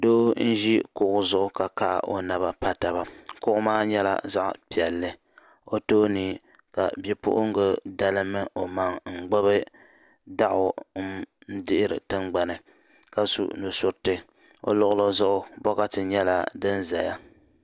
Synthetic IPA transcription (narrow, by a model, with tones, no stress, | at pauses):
doː˦n̩˦ʒi˦kʊ˨ʔʊ˨zʊ˦ʔʊ˦ka˨ka̰˦˨ʔo̰˦na˨βa˦pa˦ta˨ba˦kʊ˦ʔʊ˦maː˦ɲɛ˦la̰˨za˦ʔpi˨ɛ˨lːɨ˦ | o˦toː˦niː˨ | ka̰˨bɛ˦pʊ̰˦ʔʊ˦ŋ˦ɡɨ˦da˦lɨ˦mɨ˦ʔo˨ma˨ŋŋ͡m̩˨ɡ͡bo˦bɨ˦ | da˦ʔʊ˨˦ | n̩˦dɪ˦ʔɪ˦ɾɨ̰˨tɨ˦ŋɡ͡ba˨nɨ˨ | ka˨sṵ˨nu˨sʊ˦ɾtɨ˦ | o̰˦lʊ˨ʔʊ˦lo˦zʊ˦ʔʊ˦bɔ˦ka˦tɨ˨ɲɛ˦la̰˨dɨ˦nza˨ja̰˦